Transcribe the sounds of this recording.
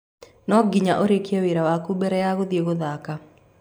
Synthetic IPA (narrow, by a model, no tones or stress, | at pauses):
nɔɡɪɲaʔoɾekjɛwiɾawakubɛɾɛjaɣoðjeɣoðaka